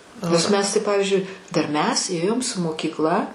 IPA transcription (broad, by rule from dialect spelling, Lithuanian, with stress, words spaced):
nʲɛs ˈmʲɛs tɐɪ ˈpɑːʋʲɪzʲd͡ʒʲʊɪ dɐr ˈmʲɛs ˈeːjoːm sʊ moːkʲiːkˈlˠɐ